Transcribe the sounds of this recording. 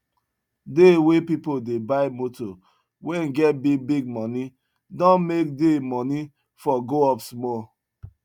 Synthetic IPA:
dewepipodebaɪmoto | wɛ̃nɡɛt̚biɡ̚biɡ̚mɔ̃ni | dɔ̃nmek̚demɔni | fɔɡoɔpsmɔl

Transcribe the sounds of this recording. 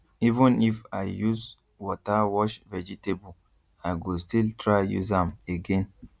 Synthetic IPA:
ivə̃nifa̰jjuz | wɔtawɔʃvɛd͡ʒitebɔ | ajɡostiltʰɹaɪjṵzãmeɡɛ̃n

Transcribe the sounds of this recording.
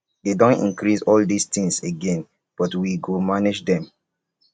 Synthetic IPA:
dedõntḭ̃nkɹisɔldist̪ĩŋseɡɛ̃n | b̥ɔtwiɡomaned͡ʒdɛ̃m

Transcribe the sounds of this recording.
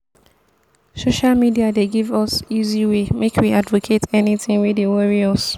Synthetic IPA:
soʃalmidiadeɡivɔsiziwemekʰwiadvokʰetʰɛniθɪ̃ŋwidewɛɹiɔs

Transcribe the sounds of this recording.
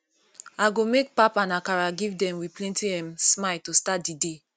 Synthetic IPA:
aɡomek̚papãnakaɹaɡivdɛ̃mwiplɛ̃ntiɛmsmaltostat̚dide

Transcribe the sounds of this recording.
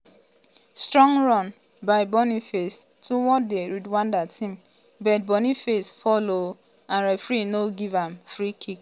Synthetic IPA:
stɹɔ̃ŋɹɔ̃n | baɪbɔnifes | tuwɔdeɾidwãndatʰĩm | bɛt̚bɔnifesfɔlo | ãnɾɛfɾinoɡivãmfɾikʰik

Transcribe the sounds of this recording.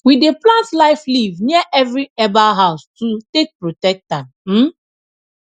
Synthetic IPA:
wideplãntlaɪflivnɛʔɛvɾiɛbaɦaʊstutek̚pɹotɛk̚tãn | m̩

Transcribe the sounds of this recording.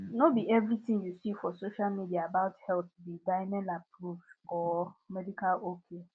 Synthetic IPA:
nobiɛvɾitĩŋjusifɔsoʃalmidiaːbaʊthɛlt̚bidaɪnɛlapɾuvdɔmɛdikalokʰe

